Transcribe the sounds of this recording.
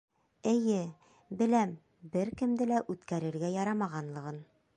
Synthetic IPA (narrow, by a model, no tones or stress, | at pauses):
ɘ̆jɘ | bɘ̆læm | bɘɾkɘ̆md̪ɘlæʔʉt̪kæɾɘ̆ɾɡæjɒɾɑmɑʁɑnlˠɤ̆ʁɤn